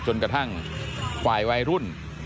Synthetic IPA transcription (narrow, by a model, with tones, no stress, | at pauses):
t͡ɕo˧nkɾa˧t̪ʰa˥˩ŋ | faː˨˩jwa˧jɾu˥˩n